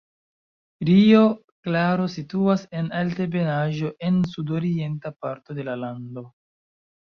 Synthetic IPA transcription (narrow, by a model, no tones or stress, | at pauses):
ɾio | klaɾo̞situase̞nalte̞be̞naʒo̞ʔe̞nsudo̞ɾie̞ntapaɾto̞de̞lalando̞